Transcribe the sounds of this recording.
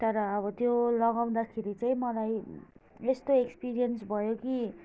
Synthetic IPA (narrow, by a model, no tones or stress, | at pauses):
t̪ʌɾʌːβʌt̪jolʌɡaw̃d̪akʰeɾit͡saĩmʌlaj | est̪oekspiɾijʌnsbʱʌjoki